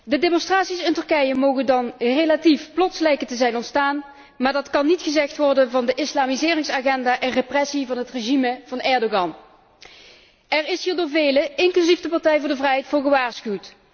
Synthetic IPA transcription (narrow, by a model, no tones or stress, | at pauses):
dədeːmɔnstraːtsisɪntɵɹkɛjəmowɣəndɑnrejlatifplɔtsəlɛjkətəzɛjnɔntstaːn | maːɹdɑtkɑnːitχəzɛxtʋɔɹdənvɑndəʔɪslaːmizɪːrɪŋsaːɣɛndaːʔɛnreprɛsivɑnɦətreʒiməv̥ɑnɛɹdoɣɑn | ɛrɪsɦiːɹdʊːɹvejləɪŋklyzifdəpɑɹtɛjvʊːɹdəvrɛjɦɛjtfʊːɹɣəʋaːɹsxywt